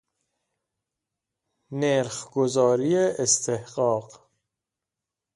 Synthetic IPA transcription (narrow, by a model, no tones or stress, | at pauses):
neɾχɡozɒːɾijeʔest̪ʰehɢɒːɢ